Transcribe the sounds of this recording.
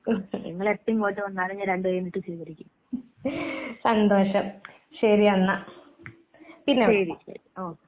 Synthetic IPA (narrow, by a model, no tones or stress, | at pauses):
niŋːɐɭet̪ːɐjumkoːtːɐʋɐnːaːɾɐɲːɐɾeɳɖɨʋɐjumnːiʈːɨsiːkɐɾikʲːun | sɐnd̪oːɕɐm | ɕɐɾiɐnːɐ | pinːeeɾiɕɐ̰ɾioː